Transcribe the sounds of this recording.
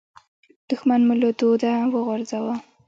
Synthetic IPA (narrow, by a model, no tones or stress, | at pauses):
d̪̥ʊxmanmulod̪od̪awəɣʊɾzawa